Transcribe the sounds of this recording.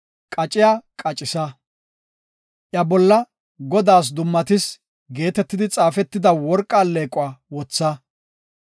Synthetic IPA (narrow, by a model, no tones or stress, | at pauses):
kʼɐt͡ʃʼɪjakʼɐt͡ʃʼɪsɐ | ʔjɐbɔlːɐ | ɡɔd̪aːs̬d̪ʊmːɐt̪ɪs | ɡe̞ːt̪ɛt̪ːɪd̪ɪt͡sʼaːfɛt̪ːɪd̪ɐwɔɾkʼːaːlːeːkʼʊaːwɔt͡sːɐ